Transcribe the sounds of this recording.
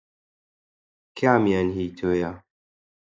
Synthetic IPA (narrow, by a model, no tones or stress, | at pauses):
kʰamianɦitʰoja